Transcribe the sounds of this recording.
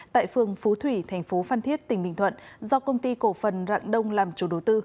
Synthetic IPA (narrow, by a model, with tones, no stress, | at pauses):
t̪a̰ː˧˨jfɨ˨˩əŋfu˨˦t̪ʰwi˧˩t̪ʰɛ˨˩jŋ̟fo˨˦faː˧nt̪ʰi˦˥ət̚t̪ï˨˩ŋ̟ɓḭ˧˨ŋ̟t̪ʰə̰˧˨nzɔ˧kə˧wŋ͡mt̪i˧ko˧˩fə˨˩nza̰ː˧˨ŋɗə˧wŋ͡mlaː˨˩mt͡ɕu˨˩ɗo˨˩˦wt̪ɨ˧